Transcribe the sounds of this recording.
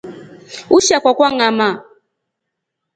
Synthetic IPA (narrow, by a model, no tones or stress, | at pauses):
uʃakwakwaŋama